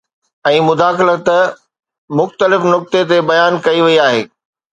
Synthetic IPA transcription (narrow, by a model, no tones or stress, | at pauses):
ɛ̃ːmʊd̪aːxɪlət̪ɐ | mʊxt̪əlɪfnʊk̚t̪et̪ebɐjaːnkɐiʋɐiaːɦeː